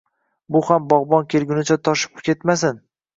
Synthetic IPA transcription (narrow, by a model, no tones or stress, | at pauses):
bʊhambɒʁbɒnkʲʰelɡʲʊnɪt͡ʃʰat̪ʰɒʃɪ̥pkʲe̞t̪masɪn